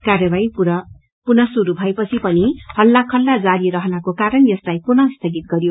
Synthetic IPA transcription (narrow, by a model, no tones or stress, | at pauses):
karjʌbajpu | punʌsuɾubʱʌepʌt͡sʰipʌnihʌlːakʰʌlːad͡zaɾiɾʌɦnakokaɾʌnjʌslajpunʌst̪ʰʌɡit̪̚ɡʌɾjo